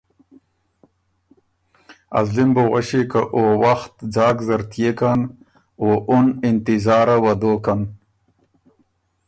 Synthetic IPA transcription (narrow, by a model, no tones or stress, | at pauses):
a̰zlimboʁaɕikaʔowaxt̪d͡zɑːkzɐɾt̪jekan | oʔʊnɪnt̪ɪzɑːɾawɐd̪okan